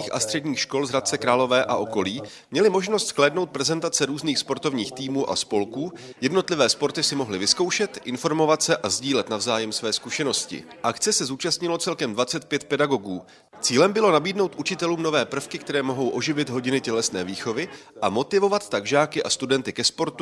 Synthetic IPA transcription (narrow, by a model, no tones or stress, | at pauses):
iːxʔa̰st̪r̥ɛdɲiːxʃko̞lzɦɾat̪̚t͡sɛkɾaːlo̞vɛːʔa̰ʔo̞ko̞liː | mɲɛlɪmo̞ʒno̞st̪sklɛːdno̞wt̪̚pɾɛzɛnt̪at͡sɛɾuːzniːxspo̞ɾt̪o̞vɲiːxt̪iːmuːʔa̰spo̞lkuːjɛdno̞t̪lɪvɛːspo̞ɾt̪ɪsɪmo̞ɦlɪvɪskowʃɛt̪ʔɪnfo̞ɾmo̞vat̪sɛʔazɟiːlɛt̪navzaːjɛmsvɛːskuʃɛno̞scɪ̰ | ʔak̪t͡sɛsɛzuːt͡ʃast̪ɲɪlo̞t͡sɛlkɛmdvat͡sɛt̪̚pjɛt̪̚pɛdaɡo̞ɡuː | t͡siːlɛmbɪlo̞nabiːdno̞wt̪ʔut͡ʃɪt̪ɛluːmno̞vɛːpr̩fkɪkt̪ɛɾɛːmo̞ɦo̞wʔo̞ʒɪvɪt̪ɦo̞ɟɪnɪcɛlɛsnɛːviːxo̞vɪʔamo̞t̪ɪvo̞vat̪ːaɡʒaːkɪʔa̰st̪udɛnt̪ɪkɛspo̞ɾt̪u